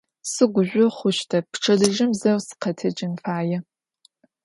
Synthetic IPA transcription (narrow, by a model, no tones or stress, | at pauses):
sɨɡʷʊʒʷʊχʷʊʃtʰɐpʰʈ͡ʂʰɐdɨʒɪmzɐwsɨ̥qʰɐtʰɐd͡ʒʼɪnfaːjɛ